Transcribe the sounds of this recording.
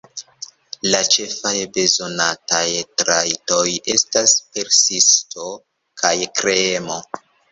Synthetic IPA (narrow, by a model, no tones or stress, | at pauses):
lat͡ʃe̞fajbe̞zo̞natajtɾajto̞je̞staspe̞ɾsisto̞ | kʰajkɾemo̞